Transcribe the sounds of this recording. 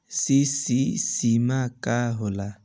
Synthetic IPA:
sɪsɪsimakʼaɦʊla

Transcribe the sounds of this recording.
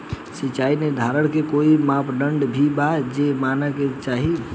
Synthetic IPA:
sit͡ʃained̪ʱaɾəɽkekoimãpɖəɳɖbʱibad͡ʒemanaket͡ʃaɦi

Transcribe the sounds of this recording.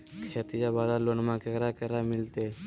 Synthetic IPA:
kʰeːt̪ijabaːd̪alonmãkekɾakəɾamɪlt̪e

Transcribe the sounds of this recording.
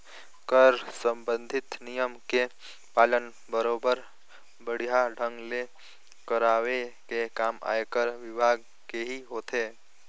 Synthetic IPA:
kəɾsə̃mbə̃nd̪ʱɪt̪nijəmke | paːlən | bəɾobəɾ | bəɽ̤ijaɖʱə̃ŋɡle | kəɾawekekaːma̰ːekəɾʋɪbʱaːɡ | keɦiɦoːt̪e

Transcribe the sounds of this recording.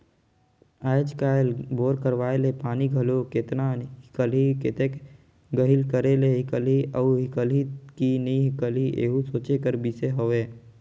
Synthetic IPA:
ajd͡ʒkaːelboːɾkəɾʋaːelepaːniɡʱəloket̪naːnɦɪkəlɦiket̪ek | ɡəɦilkəɾeleɦɪkəliəːɦɪkəlɦikiniɦɪkəliʔḛːɦusoːt͡ʃekəɾbiseɦoʋeː

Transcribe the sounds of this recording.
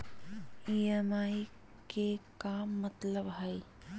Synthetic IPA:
iemaːji | kekaːmːɐt̪ləbɦɐj

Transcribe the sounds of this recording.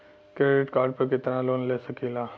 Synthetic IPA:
kɾeːɖɪʈkaːɾɖ̚pɐɾkɪt̪naloːnleːsɐkilaː

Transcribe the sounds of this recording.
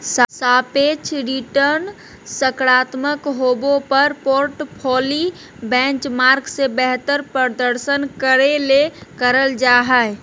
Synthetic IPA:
ssapet͡ʃʰɾiʈəɾn | səkɾat̪məkɦobopəɾpoɾʈpʰoli | bɛ̃nt͡ʃmaɾɡsebɛɦt̪əɾpəɾd̪əɾsənkəɾelekəɾəld͡ʒaɦɛe

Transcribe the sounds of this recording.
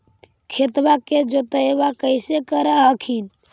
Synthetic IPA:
kʰet̪baked͡ʒot̪əebakəɪsekəɾəɦəkʰin

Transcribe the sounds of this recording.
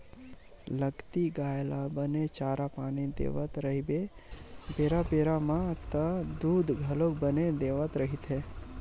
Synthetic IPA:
ləɡt̪iɡaːjlabənet͡ʃaːɾapaːnid̪ḛːʋət̪ɾəɦibe | beːɾapeːɾamãt̪əd̪uːd̪ʱɡʱɐlok̚bəned̪eːʋət̪ɾəɦit̪ʰɦe

